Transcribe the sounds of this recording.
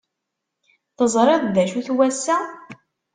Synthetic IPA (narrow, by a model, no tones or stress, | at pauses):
θəzˤɾˤeðˤðæʃuθwæsːæ